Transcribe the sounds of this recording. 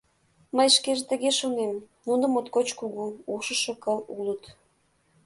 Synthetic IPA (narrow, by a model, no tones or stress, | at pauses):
məjʃkeʒet̪ə̆ɣeʃonem | nunə̆mot̪kot͡ɕkuɣuuʃəʃŏkəlulət̪